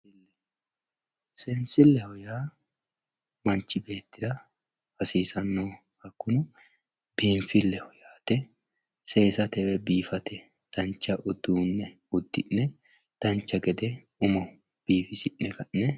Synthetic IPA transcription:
lːɛ | sɛnsɪlːɛhɔjaː | mɐnt͡ʃːɪbe̞ːt̪ːɪd̪ɐ | hɐsiːsɐnːo | hɐkːʊnʊ | biːnfɪlːɛhɔjaːt̪ɛ | se̞ːsɐt̪ɛwɛbiːfɐt̪ɛ | d̪̥ɐnt͡ʃːɐʔʊd̪uːnːɛ | ʊd̪ːɪnːɛ | d̪̥ɐnt͡ʃːɐɡɛd̪ɛ | ʊmɐ | b̥iːfɪsɪnːɛkɐnːɛ

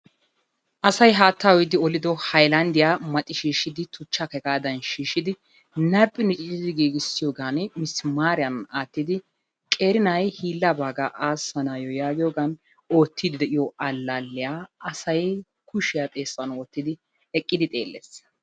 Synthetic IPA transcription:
ʔɐsɐjɦaːt̪ːaːwɔjd̪ɪɔlɪd̪ɔhɐjlɐnd̪ɪjamɐt̪ʼːɪʃiːʃɪd̪ɪt̪ʰʊt͡ʃːakɛkʼaːd̪ɐnʃiːʃɪd̪ɪ | nɐpʼːɪnɪt͡ʃʼɪt͡ʃːɪd̪ɪɡiːɡɪsːɪjoːɡanmɪsːmaːɾɪjɐnaːt̪ːɪd̪ɪ | kʼe̞ːɾɪnɐjhiːlːɐbaːɡaʔaːsːɐnaːjɔjaːɡɪjoːɡɐn | o̞ːt̪ːid̪ɪd̪ɛʔɪjɔʔɐlːalːɪjaɐsɐj | kʊʃɪjat̪ʼe̞ːsːɐnoːt̪ːɪd̪ɪ | ɛkʼːɪd̪ɪt̪ʼe̞̰ːlːḛs

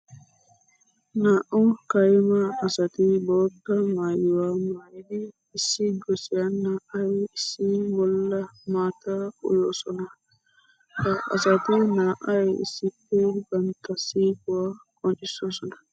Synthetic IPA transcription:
naʔɔnkajmaːsatibɔtːamajiwamajdiː | siɡosianːaʔajisibɔlːamataṵlɔsɔna | kaʔa̰satinaʔaḭsipɛbantasikuakɔnisɔsɔna

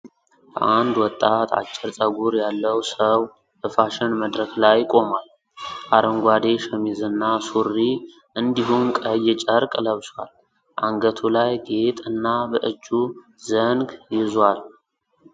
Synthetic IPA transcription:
bəʔand̪wɔt̪ʼːat̪ʰa̰t͡ʃʼːɛɾt͡sʼəɡuɾjalːəwsəw | hɨfaʃɪnməd̪ɾəklajkʼo̞mal | ʔaɾəŋɡʷad̪e̞ʃɛmizɨnːasurːi | ʔɨnd̪iɦumkʼəjːɛt͡ʃʼəɾkʼləβswa̰l | ʔaŋɡət̪ʰulajɡe̞t̪ʼɨnːabəʔɨd͡ʒːu | zəŋɡjɪzwal

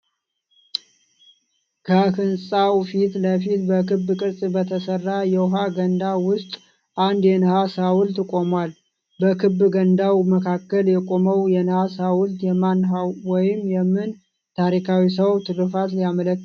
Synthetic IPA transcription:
kʰəkɨnsʼawfit̪ləfit̪bəkɨbːkʼɨɾsʼbət̪ʰəsərːajɛwʊɦaɡənd̪awʊst̪ʼ | ʔand̪jɛnɨhasawʊlt̪ːkʼo̞mwal | bəkʰɨbːɡənd̪awməkʰakːəljɛkʼoməwjɛnɨhasawʊlt̪jɛmanɦawwɔjɪmjɛmːɨn | t̪ʰaɾikʰawis̬əwt̪ʰɨlɨfat̪lijamələk

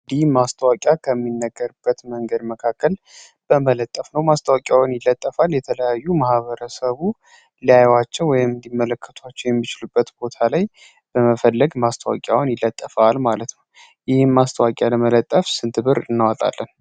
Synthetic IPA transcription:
d̪ihmast̪ʰəwakʼjakʰəmːinːəɡːəɾb̥ːət̪məŋɡəd̪məkʰakːəl | b̥əmələt̪ʼːəfnəwmast̪ʰəwakʼjawnjɪlːət̪ʼːəfaljɛt̪ʰələjajːumahβəɾəsəβu | lijajwat͡ʃːɛwwɔjɪmɨnd̪imːələkʰːət̪ʰwat͡ʃːɛwjɛmːit͡ʃɪlubːət̪bo̞t̪ʰalaj | b̥əməfəlːəɡmast̪ʰəwa̰kʼja̰wʊnjɪlːət̪ʼːəfalmalət̪nəw | jɪhɪmːast̪ʰəwakʼjaləmələt̪ʼːəfsɨnt̪ʰɨβɨɾɨnːawat̪ʼa̰lːən

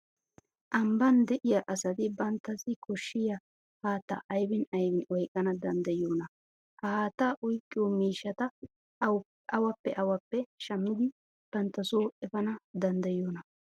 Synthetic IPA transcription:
ʔɐmbɐnd̪ɛʔɪjɐʔɐsɐd̪ɪbɐnt̪ːɐsɪkʰɔʃːɪjɐ | haːt̪ːɐ̰ʔɐjbɪnɐjbɪnʔɔjkʼːɐnɐd̪ɐnd̪ɐjoːnɐ | ʔɐhaːt̪ːaːʔʊjkʼːɪjomiːʃːɐt̪ɐ | ɐwɐpːɛʔɐwɐpːɛʃɐmːɪd̪ɪ | b̥ɐnt̪ːɐsoːʔɛfɐnɐd̪ɐnd̪ɐjoːnɐ

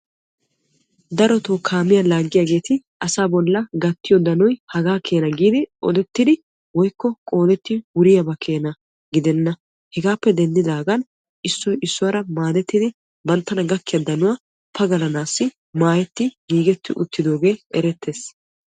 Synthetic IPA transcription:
d̪ɐɾɔt̪oːkʰaːmɪjɐlaːɡːɪjaːɡe̞ːt̪ɪʔɐsaːbɔlːɐɡɐt̪ːɪjɔd̪ɐnɔjhɐɡaːkʰe̞ːnɐɡiːd̪ɪʔɔ̰d̪ɛt̪ːɪd̪ɪ | wɔjkːɔkʼo̞ːd̪ɛt̪ːɪwʊɾɪjɐbɐkʰe̞ːnɐ | ɡɪd̪ɛnːɐ | hɛɡaːpːɛd̪ɛnd̪ɪd̪aːɡɐn | ʔɪsːɔjɪsːɔwɐɾɐmaːd̪ɛt̪ːɪd̪ɪ | bɐnt̪ːɐnɐɡɐkːɪjɐd̪ɐnʊwaː | pʰɐɡɐlɐnaːsːɪ | maːjɛt̪ːɪɡiːɡɛt̪ːɪʔʊt̪ːɪd̪o̞ːɡe̞ːɛɾɛt̪ːeːs

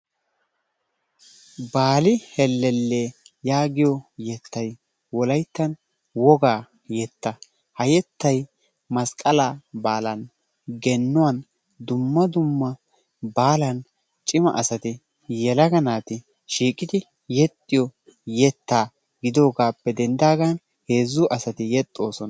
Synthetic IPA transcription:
baːlɪhɛlːɛlːeːjaːɡɪjɔjɛt̪ːɐj | wɔlɐjt̪ːɐn | wɔɡaː | jɛt̪ːɐ | hɐjɛt̪ːɐj | mɐskʼɐlabaːlɐn | ɡɛnːʊwɐn | d̪ʊmːɐd̪ʊmːɐ | baːlɐn | t͡ʃʼɪmɐ̰ʔɐsɐt̪ɪ | jɛlɐɡɐnaːt̪ɪ | ʃiːkʼːɪd̪ɪ | jɛt̪ʼːɪjɔ | jɛt̪ːaː | ɡɪd̪o̞ːɡaːpːɛd̪ɛnd̪aːɡan | he̞ːzːʊʔɐsɐt̪ɪjɛt̪ʼːo̞ːsɔn

